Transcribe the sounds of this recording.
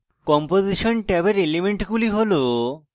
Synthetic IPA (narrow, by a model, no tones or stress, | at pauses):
kɔmpoziʃonʈɛbeɾelimeɳʈɡuliɦolo